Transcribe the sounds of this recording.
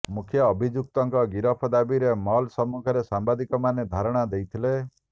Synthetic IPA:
mukʰjɔːbʱid͡ʒuk̚t̪ɔŋkɔɡiɾɔpʰɔd̪abiɾemɔlsɔmukʰɔɾesambad̪ikɔmaned̪ʱaɾɔɽ̃ad̪ejt̪ʰile

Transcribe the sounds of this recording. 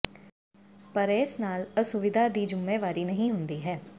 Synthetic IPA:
pəɾeːsnaːləsʊʋɪd̪ʱaːd̪iːd͡ʒʊmːẽːʋaːɾiːnəɦĩːɦʊnd̪iːɦɛː

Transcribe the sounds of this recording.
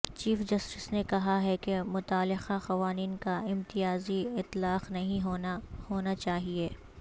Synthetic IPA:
t͡ʃiːfd͡ʒɐsʈɪsnekɐɦaɦɛkemʊt̪aːlɪxaxɐʋaːniːnkaɪ̃mt̪ɪjaːziɪt̪laːqnɐɦĩɦohoːnat͡ʃaːɦieː

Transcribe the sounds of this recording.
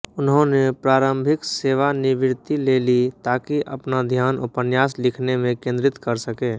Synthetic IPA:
ʊnɦõnepɾaːɾəmbʱɪkseːʋanɪʋɪɾt̪ileːlit̪aːkiʔə̰pnad̪ʱjaːnʊpənjaːslɪkʰnemẽkẽːnd̪ɾɪt̪kəɾsəkeː

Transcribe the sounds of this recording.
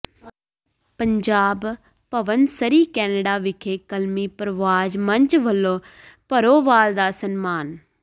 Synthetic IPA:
pəɲd͡ʒaːb | pəʋənsəɾiːkɛːnəɖaːʋɪkʰeːkəlmiːpɾəʋaːd͡ʒməɲt͡ʃʋəlːõː | pəɾoːʋaːld̪aːsənmaːn

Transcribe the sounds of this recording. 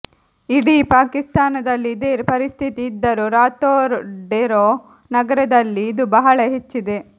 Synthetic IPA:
iɽipaːkist̪aːnɐd̪ɐlːid̪eɾpɐɾist̪ʰit̪iːd̪ːɐɾuɾaːt̪oːɾɖeɾoː | nɐɡɐɾɐd̪ɐlːiːd̪ubɐɦɐɭɐɦet͡ʃːid̪e̞

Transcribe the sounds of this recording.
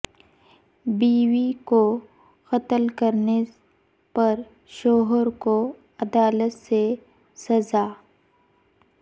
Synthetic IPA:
biːwiko | xɐt̪əlkɐɾne | pɐɾ | ʃɔːɦəɾko | ɐd̪aːlət̪se | sɐzaː

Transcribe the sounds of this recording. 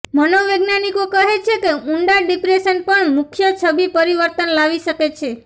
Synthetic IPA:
mənoʋeɡnanikokəɦet͡ʃʰekeũɳɖaɖipɾeʃənpəɳmukʰjət͡ʃʰəbipəɾiʋəɾt̪ənlaʋiʃəket͡ʃʰe

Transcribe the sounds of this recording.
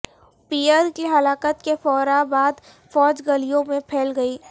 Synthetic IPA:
piːəɾkiɦɐlaːkət̪kefɔːɾabaːd̪ | fɔːd͡ʒɡɐlijõmẽpʰeːlɡɐiː

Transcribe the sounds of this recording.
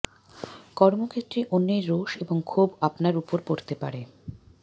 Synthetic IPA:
kɔɾmokʰet̪ːɾeʔonːeɾːoʃeboŋkʰubapnaɾupoɾpoɾt̪epa̰ɾe

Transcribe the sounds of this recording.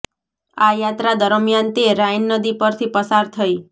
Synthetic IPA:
ajat̪ɾad̪əɾmjant̪eɾajnːəd̪ipəɾt̪ʰipəsaɾt̪ʰəi

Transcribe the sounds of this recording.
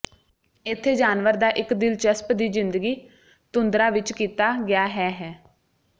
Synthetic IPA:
ɪt̪ʰːeːd͡ʒaːnʋəɾd̪aːʔɪkd̪ɪlt͡ʃəspd̪iːzɪnd̪əɡiː | t̪ʊnd̪ɾaːʋɪt͡ʃkiːt̪aːɡɪjaːɦɛːɦɛː

